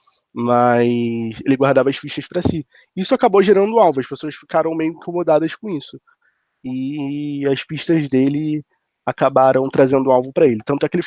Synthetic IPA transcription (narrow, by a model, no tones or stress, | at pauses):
maselɪɡwaɦd̪avɐʃpiʃt̪ɐʃpɾɐsi | isʊakaboʒeɾɐ̃nd̪ʊawvʊɐʃpesoɐsfikaɾɐ̃w̃mejʊʊĩŋkõmod̪ad̪ɐskõisʊ | ɪ | ɐʃpiʃt̪ɐzd̪elɪ | akabaɾɐ̃w̃t̪ɾazẽnd̪ʊawvʊpɾɐelɪt̪ɐ̃nt̪ʊɛkelɪ